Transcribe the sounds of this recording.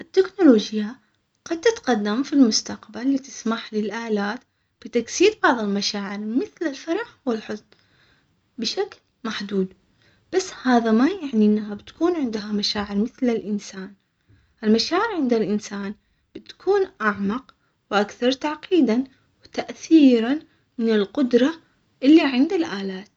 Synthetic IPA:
ʔɪt̪ːɪknʊloːd͡ʒja | ɡ̥ɑd̪̚t̪ɪt̪qɑd̪ːamfilmʊst̪aqbalːit̪ɪ̥smaħlɪlʔaːlaːt̪ | b̥ɪt̪aksiːd̪bɑʕðˤɪlmaʃaːʕɪɾmɪθlɪlfɑɾˤɑħwɪlħʊzn | bɪʃakl | maħd̪uːd̪ | b̥asːhaːðamajaʕniʔɪnːaɦabɪt̪kuːnʕɪnd̪ɦamaʃaːʕɪɾmɪθlɪlʔɪnsaːn | ʔɪlmaʃaːʕɪɾʕɪnd̪alʔɪnsaːn | b̥ɪt̪kʰuːnʔaʕmɑq | wʔakθɑɾˤt̪aʕqiːd̪an | wɪt̪aʔθiːɾan | mɪnɪlqʊd̪ɾˤɑ | ʔɪlːiʕɪnd̪alʔaːlaːt̪

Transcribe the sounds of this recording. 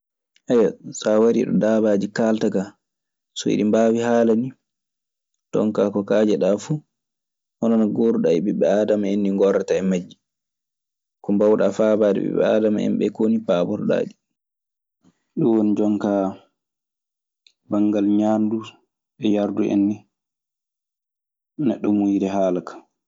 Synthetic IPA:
ʔɛjasawaɾḭɗɔ̰daːbaːd͡ʒikaːltaɡa | sɔ̰ḭɗimbaːwihaːlani | tɔ̰ŋkakɔkaːd͡ʒɛɗafu | hɔnɔnɔɡoɾuɗaiɓɛɓɛaːdamaenːiŋɡɔɾːataɛmad͡ʒːi | kɔmbawɗaːfaːbaːdɛ̰ɓɛ̰ɓɛ̰aːdama̰ɛ̰mɓɛ̰konipaːbɔɾɗa̰ːɗi | ɗuwonid͡ʒɔŋka | baŋɡalɲaːndu | ɓɛjaɾduʔḛnːi | nɛɗːɔmujiɾɛɦaːlakḁ

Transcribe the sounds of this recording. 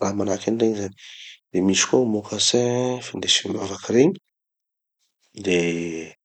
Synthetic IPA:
ramanakanɖ͡ʐeɲizani̥d̪emisi̥komokʰasefand̪esumavakiɾeɲi̥ | d̪e

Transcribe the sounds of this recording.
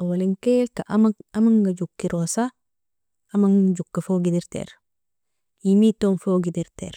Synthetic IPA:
awaliŋkekaʔamaamaŋɡad͡ʒukːiɾʔosa | amaŋd͡ʒukːafoɡidiɾtḛɾ | imitonfoɡidiɾtɛ̰ɾ

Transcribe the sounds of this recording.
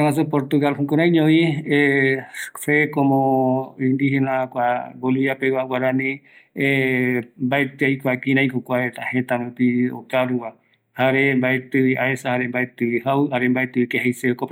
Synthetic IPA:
aas̬opoɾt̪uɣalhũkoɾãjɲõie | sekomõĩnd̪ihenãkʷaboliβapewawaɾãnĩembaet̪ɨajkʷakĩɾãjkokʷaet̪ahet̪amɨ̃pio̰kaɾuwa | haɾembaet̪ɨwiʔaesahaɾembaet̪ɨwihawɨaɾembaet̪ɨwikeɦejseoko

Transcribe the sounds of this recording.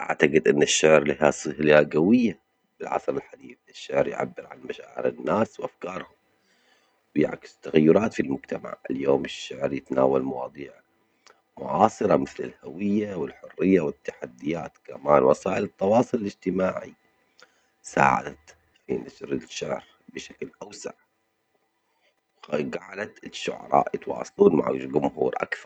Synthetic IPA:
ʔa̰ʕt̪aɡɪd̪ʔɪnːɪʃːʊʕɾlɪɦasˤɨhlaɡawɪjːa | bɪlʕɑ̰sˤɾɪlħad̪iːfɪʃːʊʕɾjʕa̰bːɪɾʕa̰nmaʃaːʕɪ̰ɾɪ̰nːaːswʔafkɑːɾˤhʊm | wja̰ʕkɪ̥st̪ːaɣajːʊɾˤɑːt̪filmʊd͡ʒt̪ama̰ʕʔɪljoːmɪʃːaʕɾjɪt̪naːwalmɑwɑ̰ːd̪ˤiːʕ | mʊʕɑːsˤɨɾˤɑmɪθlɪ̰lhawɪjːawɪlħʊrːɪjːawɪt̪ːḁħad̪ːɪjaːt̪kamaːnwasaːʔɪlɨt̪ˤːɑwɑːsˤʊlɪlɪd͡ʒt̪ɪmaːʕḭ | sa̰ːʕa̰d̪at̪ | fḭnaʃɾɪʃːaʕɾ | bɪʃḁklʔawsa̰ʕ | wɡaʕalat̪ɪʃːʊ̰ʕɑ̰ɾˤɑ̰ːʔjɪt̪wɑ̰ːsˤluːnma̰ʕɡʊmhuːɾʔa̰kθɑɾˤ

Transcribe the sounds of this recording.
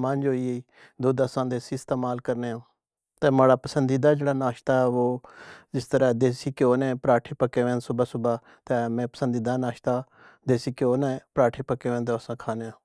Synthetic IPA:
mə̃nd͡ʒɦoːiːeiː | d̪oːd̪əsãːd̪eːsiːɪst̪eːmaːlkəɾneːãː | t̪ɛ̃ːmaːɽaːpəsənd̪iːd̪aːd͡ʒeːɽaːnaːʃt̪aːɛːʋoːd͡ʒɪst̪əɾãːd̪eːsiːkoːnɛ̃ːpɾaːʈʰeːpəkːeːʋɛ̃ːnsʊbaːsʊbaː | t̪ɛ̃ːmɛ̃ːpəsə̃nd̪iːd̪aːnaːʃt̪aː | d̪eːsiːkjoːnɛ̃ːpɾaːʈʰeːpəkeːʋɛ̃ːnd̪eəsãːkʰaːneːãː

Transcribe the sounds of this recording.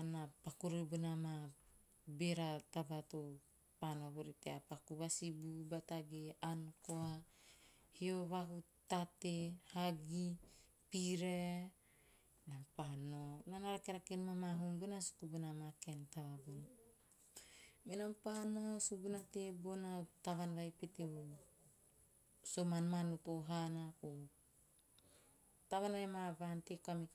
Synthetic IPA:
anapakuɾebunama | beɾatabato | panoboɾiteapakuβasibubataɡeankoa | hio̞βaku | tatehaɡi | piɾe | nampanonanaɾakeɾakenmamaɦumbunasu̥kubunamakentaβabon | minampanosubunatebonataβanβajpeteu | somanmanutoɦanaku | taβanaɾemabantekami

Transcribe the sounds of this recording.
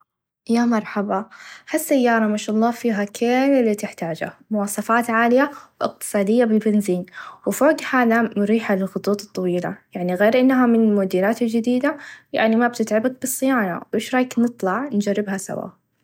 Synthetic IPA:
jamɑɾˤħabɑhasːajːɑːɾˤɑmaʃaːʔɑlˤːɑːfiːɦakʰeːlɪlːit̪ɪħt̪aːd͡ʒa̰mʊwɑːsˤɑfaːt̪ʕaːlɪjawʔɪq̚t̪ɨ̥sˤɑːd̪ɪjːabɪlbɪnziːnwɪfoːɡhaːðamɾiːħalɪlxʊt̪ˤuːt̪ˤɨt̪ˤːɑwiːla̰jaʕniɣeːɾʔɪnːɦamɪnmʊd̪iːɾaːt̪ɪld͡ʒɪd̪iːd̪aja̰ʕnimab̚t̪ɪt̪ʕabak̚bɨsˤːɨjɑːɾˤɑ̰wʔeːʃɾˤɑːjknɨt̪ˤlɑʕnd͡ʒarːɪbhasa̰wa̰

